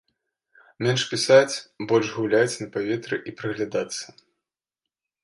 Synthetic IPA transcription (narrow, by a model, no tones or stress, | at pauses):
mʲɛnʂpʲisat͡sʲbɔlʲʐɣulʲat͡sʲnɐpavʲɛt̪ɾɨʔipɾɨɣlʲad̪at̪sːɐ̥